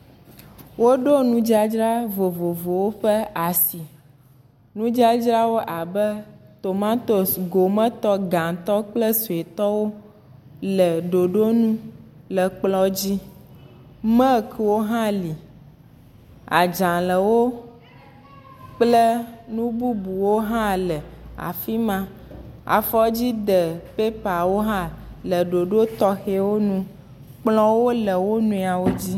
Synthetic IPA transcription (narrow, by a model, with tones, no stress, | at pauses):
wo˦ɖo˦nũ˦d͡ʒi˦a˦d͡ʒɾa˦vo˨vo˨vo˨wo˦ɸə˦a˨si˨ | nũ˦d͡ʒi˦a˦d͡ʒɾa˦wo˦ʔa˨bə˦t̪o˨mã˦t̪o˨sɡo˨mə̃˦t̪ɔ˦ɡã˨t̪ɔ˦k͡plə˦su˨e˨t̪ɔ˦wo˦ | lə˨ɖo˨ɖo˦nũ˦ | lə˨k͡plɔ˦d͡ʑi˦ | mə̃˦˨kʰə˨wo˦ɦã˦li˨ | a̰˨d͡ʒã˨lə˨wo˦ | k͡plə˦nũ˦bu˦bu˨wo˦ɦã˦lə˨a̰˨fi˦mã˦a̰˨fɔ˦d͡ʑi˦ɖə˨pe˦pa˨wo˦ɦã˦lə˨ɖo˨ɖo˦t̪ɔ˦xe˦wo˦nũ˦ | k͡plɔ˦wo˦lə˨wo˦nũ˦˨a˨wo˦d͡ʑi˦